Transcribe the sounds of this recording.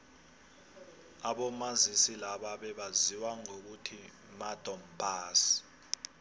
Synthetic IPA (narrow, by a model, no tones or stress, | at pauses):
aɓɔmazisilaɓaɓɛɓaziwaŋok̬utʰi | mad̥ʱʼɔm̩pʰʼaːsi̥